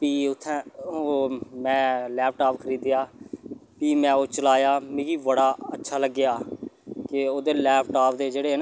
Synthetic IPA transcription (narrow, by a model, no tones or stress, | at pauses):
piːʊt̪ʰːɛ̃ːoːmɛ̃ːlɛːpʰʈaːpkʰəɾiːd̪jaːpiːmɛ̃ːoːt͡ʃəlaːjaːmɪ̃ɡiːʋəɽaːətːʃʰaːləɡːɪjaːkɪoːd̪eːlɛːpʰʈaːpʰd̪eːd͡ʒeːɽeːn